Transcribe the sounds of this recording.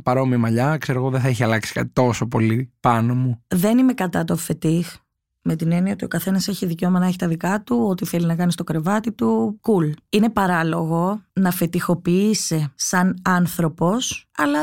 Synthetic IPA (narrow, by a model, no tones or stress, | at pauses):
pɐɾo̞miɐmɐʎɐkse̞ɾoɣoðeθɐeçiɐlɐksi̥kɐ̰t̪i̥t̪o̞so̞po̞lipɐnomuðe̞nime̞kɐt̪ɐt̪ofe̞t̪ix | me̞t̪ine̞niɐot̪iokɐθe̞nɐse̞çiðice̞o̞mɐnɐeçi̥t̪ɐðikɐt̪uo̞t̪iθe̞linɐkɐnist̪o̞kɾe̞vɐt̪it̪ukuline̞pɐɾɐlo̞ɣo̞nɐfe̞t̪ixo̞piisesɐnɐnθɾo̞po̞sɐlɐ